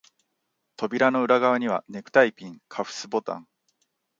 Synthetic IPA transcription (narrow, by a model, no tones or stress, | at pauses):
t̪o̞bʲiɾano̞ɯ̟ɾaɡaβaɲ̟iβ̞a̰ne̞kɯ̟̥t̪aipʲĩŋkʰaɸɯ̟̥sɨbo̞t̪ã̰ŋ